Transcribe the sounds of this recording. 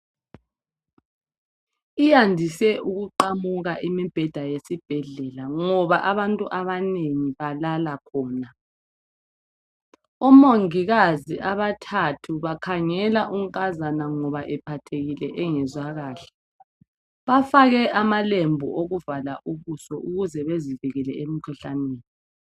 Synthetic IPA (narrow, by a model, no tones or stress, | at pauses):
ijandʱisɛʔuɣuǃamuɣaʔimib̥ʱɛd̥ʱajesib̥ʱɛɮɛlaŋɔβaʔaβantʼuʔaβaneŋiβalalakʰɔːna | ɔmoŋiɣaziʔaβatʰatʰuβakʰaŋɛlaʔuŋkʼazanaŋɔβaʔɛpʰatʰeɣilɛʔɛŋɛzwaɣaːɬɛ̥ | βafaɣɛʔamalembʱṵʔoɣuvalaʔuβusɔʔuɣuzɛβezivɛɣɛlɛemikʰuɬaneːni